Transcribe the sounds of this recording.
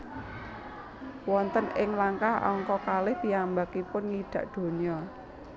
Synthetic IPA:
wɔnt̪ənɪŋlaŋkahɔ̰ŋkɔkalɪht̪iambakipʊnŋiɖ̪̥ä̤ʔd̪̥o̤ɲɔ

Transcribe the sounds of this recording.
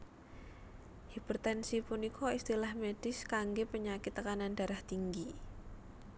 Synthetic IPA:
hibərt̪ɛnsipunikʰoist̪ilahmeɖ̥ɪskaŋɡepəɲakɪt̪ːəkananda̤ɾaht̪iŋɡi

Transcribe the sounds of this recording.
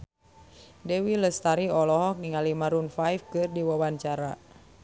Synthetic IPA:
dɛwiləst̪aɾiɔlɔɦɔk̚niŋalimaɾunfajfkɨrdiwawaɲt͡ʃaɾa

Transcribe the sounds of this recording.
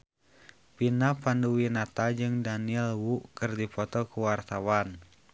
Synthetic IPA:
pinapanduwinat̪ad͡ʒɨŋdaniɛlwuʔkɨrdipɔt̪ɔkuwart̪awan

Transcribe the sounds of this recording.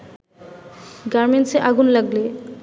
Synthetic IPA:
ɡaɾmenʈseʔaɡunlaɡle

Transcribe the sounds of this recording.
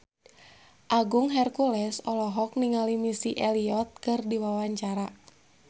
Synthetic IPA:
ʔaɡuŋɦɛrkulɛsɔlɔɦɔk̚niŋalimisiʔɛliɔt̪̚kɨrdiwawaɲt͡ʃaɾa

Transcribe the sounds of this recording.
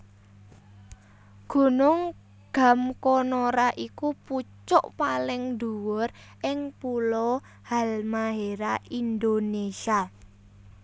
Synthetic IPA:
ɡ̥ṳnʊŋ | ɡ̥a̤mkonoɾaʔikuput͡ʃɔʔpalɪŋd̪ṳwʊr | ʔɪŋpulɔ | halmaɦeɾaind̪onesia

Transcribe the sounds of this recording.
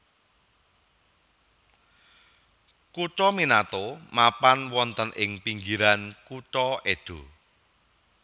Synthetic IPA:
kut͡ʃɔminat̪omapanwɔnt̪ənʔɪŋpiŋɡiɾankut͡ʃɔeɖ̥o̤

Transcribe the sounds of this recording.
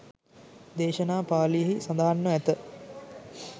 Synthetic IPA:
d̪eːʃənaːpaːlijəɦisand̪aɦanːəæt̪ə

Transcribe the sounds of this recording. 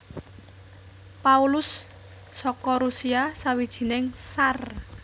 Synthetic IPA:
paulʊsː | ɔkɔɾusiasawid̥ʒ̥i̤nɪŋsar

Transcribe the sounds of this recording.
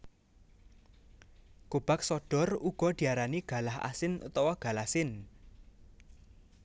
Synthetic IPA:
ɡ̥ob̥ak̚sɔɖ̥ɔ̤ruɡ̥ɔ̤d̪̥i̤aɾaniɡ̥a̤laha̰sɪnṵt̪ɔwɔɡ̥a̤lahsɪn

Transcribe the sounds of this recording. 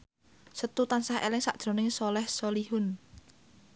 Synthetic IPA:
sət̪ut̪ansahḛlɪŋsa̰ʔd̥ʒ̥ɾo̤nɪŋsɔlɛhsolihʊn

